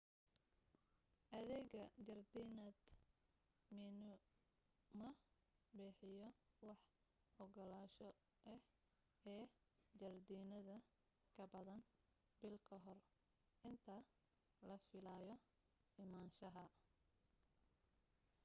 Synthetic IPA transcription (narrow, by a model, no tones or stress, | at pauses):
ʔɐðɛɣɐd͡ʒɐrd̪iːnɐd̪ | mɪnʊ | mɐ | bɛːħɪjɔwɑħ | hɔɡɔlaːʃɔ | ʔɛh | ɛː | d͡ʒɐrd̪iːnɐðɐ | kʰɐbɐðɐn | bɪlkʰɐɦɔr | ʔɪnt̪ʰɐ | lɐfɪlaːjɔ | ɪmaːnʃɐɦɐ